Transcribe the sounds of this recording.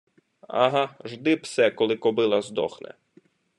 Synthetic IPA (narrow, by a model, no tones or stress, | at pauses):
a̰ɦɑʒd̪ɪpsɛkɔlˠɪkɔbɪlˠɐzd̪ɔ̰xnɛ̰